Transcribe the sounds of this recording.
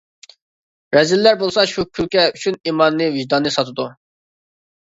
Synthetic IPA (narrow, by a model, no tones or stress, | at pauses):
ɾɛzilːæɾbolˠsɑʃukʲʰylʲkʲɛyt͡ʃʰyniːmɑnːɨviʒd̪ɑnːɨsɑt̪ʰɨd̪u